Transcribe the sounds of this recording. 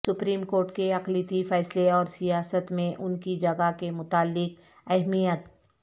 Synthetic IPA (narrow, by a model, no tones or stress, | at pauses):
sʊpɾiːmkoːɾʈkeɐqlit̪ifɛːsleɔːɾsijaːsət̪mẽʔʊnkid͡ʒɐɡakemʊt̪aːlːɪk̚ | ɛɦmijət̪